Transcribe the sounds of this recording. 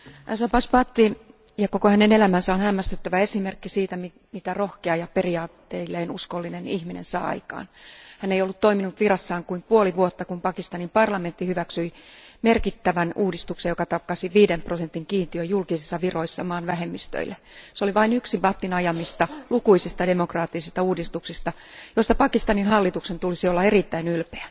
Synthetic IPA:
æsɑpɑspɑt̪ːi | jɑkokohænenelæmænsæonhæmːæst̪et̪ːæʋæesimerkːisiːt̪æm | mit̪ærohkeɑjɑperiɑːt̪ːeilːeːnuskolːinenihminḛnsɑ̰ːɑ̰ikɑ̰ːnhæneijolːut̪t̪oiminut̪ʋirɑsːɑːŋkuimpuoliʋuot̪ːɑkumpɑkist̪ɑnimpɑrlɑment̪ːihyʋæksyimerkit̪ːæʋænʔuːdist̪uksejokɑt̪ɑkːɑsiʋiːdemprosent̪iŋkiːnt̪iøjjulkisisːɑʋiroisːɑmɑːnʋæhemːist̪ø̰ilːeseoliʋɑinyksipɑt̪ːinɑjɑmist̪ɑlukuisist̪ɑdemokrɑːt̪ːisist̪ɑuːdist̪uksist̪ɑ | jost̪ɑpɑkist̪ɑninhɑlːit̪uksent̪ulisiolːɑerit̪ːæinylpeæ

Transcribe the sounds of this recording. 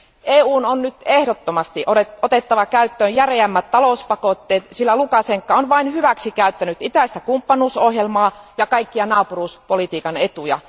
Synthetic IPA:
ʔeːuːnonnyt̪ehɾot̪ːomɑst̪iʔoeot̪et̪ːɑʋɑkæyt̪ːøːjjæreæmːæt̪t̪ɑlouspɑkot̪ːeːt̪silːælukɑseŋkːɑonʋɑinhyʋæksikæyt̪ːænyt̪it̪æist̪ækumpːɑnuːsohjelmɑːjɑkɑikːiɑnɑːpuruːspolit̪iːkɑnet̪ujɑ̰

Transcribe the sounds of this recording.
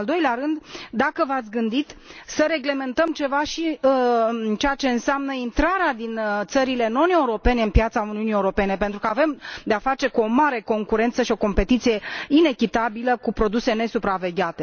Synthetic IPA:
ld̪o̞jleaɾɨnd̪d̪akəvat̪sʲɡɨnd̪it̪səɾe̞ɡle̞me̞nt̪əmt͡ʃe̞vaʃi | t͡ʃejat͡ʃe̞ɨnseamnəint̪ɾaɾead̪int̪səɾile̞no̞ne̞uɾo̞pe̞ne̞ɨnpjat̪sauniunijeuɾo̞pe̞ne̞pe̞nt̪ɾukəave̞md̪eafat͡ʃe̞kuo̞maɾe̞ko̞ŋkuɾe̞nt̪səʃio̞ko̞mpe̞t̪it̪sije̞ine̞kʲit̪abiləkupɾo̞d̪use̞ne̞supɾave̞ɡʲat̪e̞

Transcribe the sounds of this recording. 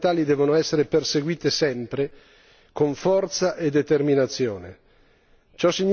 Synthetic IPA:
t̪aːlid̪ɛːvonoɛsːeɾeperseɡwiːt̪esɛmpɾe | koɱfɔrt̪saʔed̪ːet̪erminat̪sːjoːne | t͡ʃɔsːiɲː

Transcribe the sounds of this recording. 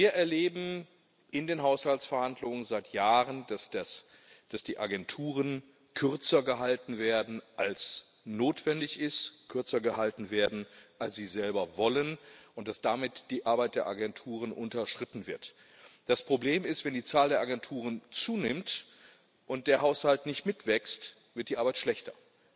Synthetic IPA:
viːɐʔɛɐleːbm̩ | ʔɪndeːnɦaʊshaltsfɛɐhandlʊŋənzaɪtʰjaːʁəndasd̥as | d̥asd̥iːʔa̰ɡɛntʰuːʁən | kʰʏɐt͡sɐɡəɦaltn̩veːɐdn̩ʔals | noːtv̥ɛndɪçɪstkʰʏɐt͡sɐɡəhaltn̩veːɐdn̩ʔalsz̥iːzɛlbɐvɔlənʔʊnt̚d̥asd̥amɪtd̥iːʔaɐbaɪt̚d̥eːɐʔaɡɛntʰuːʁ̞ənʔʊntɐʃtʁ̥ɪtn̩vɪɐt | d̥aspʁ̥obleːmɪstv̥ɛndiːt͡saːldeːɐʔaɡɛntʰuːʁ̞ənt͡suːnɪmt | ʔʊnt̚d̥eːɐɦaʊshaltnɪçtmɪtv̥ɛkst | v̥ɪɐtd̥iːʔaɐbaɪtʃlɛçtɐ

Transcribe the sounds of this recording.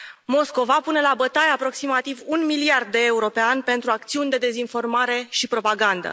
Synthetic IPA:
mo̞sko̞vapune̞labət̪ajapɾo̞ksimat̪ivunmiliard̪̚ːe̞ːuɾo̞peanʲpe̞nt̪ɾuak̚t̪siunʲd̪e̞d̪e̞zinfo̞rmaɾe̞ʃipɾo̞paɡand̪ə̰

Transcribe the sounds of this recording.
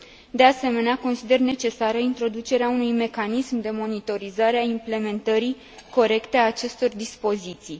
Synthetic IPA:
d̪e̞ase̞me̞neako̞nsid̪e̞rne̞t͡ʃe̞saɾəint̪ɾo̞d̪ut͡ʃe̞ɾeaunujme̞kanismd̪e̞mo̞nit̪o̞ɾizaɾeaimple̞me̞nt̪əɾi | ko̞ɾe̞kt̪eaːt͡ʃe̞st̪o̞rd̪ispo̞zit̪sij

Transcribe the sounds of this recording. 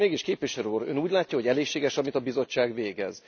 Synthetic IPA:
eːɡiʃkeːpviʃɛɾøuːɾø̰ːnuːɟʲlaːcːɒɦo̞ɟɛleːʃeːɡɛʃɒmit̪ɒbizo̞t͡ʃːaːɡʋeːɡɛ̰z

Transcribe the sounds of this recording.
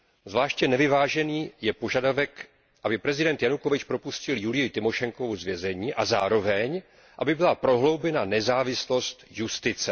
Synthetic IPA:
zvlaːʃcɛnɛvɪvaːʒɛniːjɛpo̞ʒadavɛk | ʔabɪpɾɛzɪdɛnt̪janukovɪt͡ʃpɾopuscɪljulɪjɪt̪ɪmo̞ʃɛŋkovozvjɛzɛɲiːʔazaːɾo̞vɛɲ | ʔabɪbɪlapɾo̞ɦlo̞wbɛnanɛzaːvɪslo̞st̪just̪ɪt͡sɛ

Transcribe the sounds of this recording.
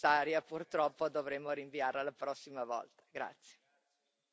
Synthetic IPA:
aːɾjapurt̪ɾɔpːod̪ovɾemːoɾiɱviaɾalapɾɔsːimavɔ̰lt̪ḁɡɾa̰t̪sːje̥

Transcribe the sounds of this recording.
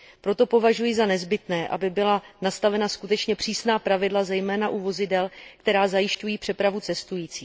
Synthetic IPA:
pɾo̞t̪o̞po̞vaʒujɪzanɛzbɪt̪nɛːʔa̰bɪbɪlanast̪avɛnaskut̪ɛt͡ʃɲɛpr̝̥iːsnaːpɾavɪdlazɛjmɛːnaʔuvo̞zɪdɛlkt̪ɛɾaːzajɪʃcujiːpr̝̥ɛpɾavut͡sɛst̪ujiːt͡siː

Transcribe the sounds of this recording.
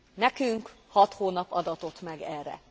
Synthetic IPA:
nɛkyŋkhɒt̪hoːnɒpɒd̪ɒt̪o̞t̪mɛɡɛːrːɛ̰

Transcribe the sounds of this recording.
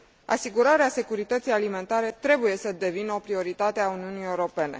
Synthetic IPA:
a̰siɡuɾaɾease̞kuɾit̪ət̪sijalime̞nt̪aɾe̞t̪ɾe̞buje̞səd̪e̞vinəo̞pɾio̞ɾit̪at̪eauniunije̞uɾo̞pe̞ne̞̰

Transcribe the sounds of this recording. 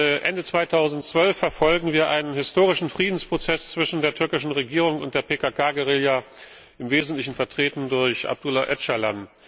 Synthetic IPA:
ʔɛndət͡sv̥aɪtʰaʊzn̩tt͡sv̥œlfːɛɐfɔlɡŋ̩viːɐʔaɪnənhɪstoːʁ̞ɪʃn̩fʁ̥iːdn̩spʁ̥ot͡sɛst͡sv̥ɪʃn̩deːɐtʰʏɐkɪʃn̩ʁeɡiːʁ̞ʊŋʊnt̚d̥eːɐpʰeːkaːkʰaːɡeʁɪljaː | ʔɪmveːzn̩tlɪçn̩fɛɐtʁ̥eːtn̩dʊɐçʔa̰b̚d̥ulaʔɛtʃalan

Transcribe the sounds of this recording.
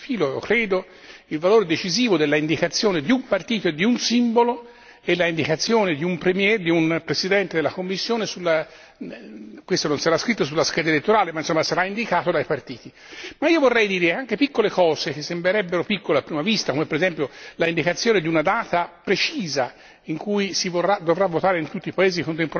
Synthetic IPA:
fiːlo̰kɾɛːd̪o | ilvaloːɾed̪et͡ʃiziːvod̪elːaind̪ikat̪sːjoːned̪iumpart̪iːt̪oed̪iunsimbolo | elːaind̪ikat̪sːjoːned̪iumpɾemjɛd̪iunpɾesid̪ɛnt̪ed̪elːakomːisːjoːnesulːa | kwest̪ononsaɾaskɾit̪ːosulːaskɛːd̪aelet̪ːoɾaːlemajnsomːasaɾaind̪ikaːt̪od̪ajpart̪iːt̪i | maiːovorːɛjd̪iːɾeaŋkepikːolekɔːzek̟esːembɾeɾɛbːeɾopikːoleapːɾiːmavist̪akomepːeɾezɛmpjolaind̪ikat̪sːjoːned̪iunad̪aːt̪apɾet͡ʃiːza | iŋkujsivorad̪ovravːot̪aːɾeint̪ut̪ːipaeːzikont̪̬empoɾ

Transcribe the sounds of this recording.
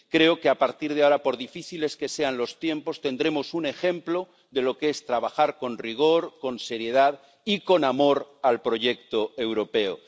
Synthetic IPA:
kɾe̞oke̞apaɾt̪iɾð̞eaoɾapo̞ɾðifiθile̞ske̞se̞anlo̞st̪je̞mpo̞st̪e̞nd̪ɾe̞mo̞sune̞xẽ̞mplo̞ | ðe̞lo̞kee̞st̪ɾaβ̞axaɾko̞nriɣ̞o̞ɾko̞nse̞ɾje̞ð̞að | iko̞namo̞ɾalpɾo̞ʝe̞k̚t̪oe̞wɾo̞pe̞o̰

